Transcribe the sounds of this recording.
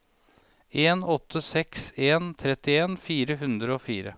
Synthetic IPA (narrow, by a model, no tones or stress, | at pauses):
eːnɔt̪ʰːəsɛkseːnt̪ʰɾɛt̪ɪeːnfiːɾəɦʉnd̪ɾəoːfiːɾə̰